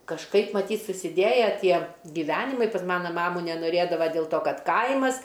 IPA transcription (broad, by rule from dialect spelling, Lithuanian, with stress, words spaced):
kɐʃˈkɐɪp mɐˈtʲiːtʲ sʊsʲɪˈdʲeːjɛ ˈtʲiɛ ɡʲɪˈʋʲæːnʲɪmɐɪ ˈkɐt ˈmɑːnɐ ˈmɑːmʊ nʲɛnoːˈrʲeːdɐʋɐ dʲeːlˠ ˈtoː ˈkɐt ˈkɐɪmɐs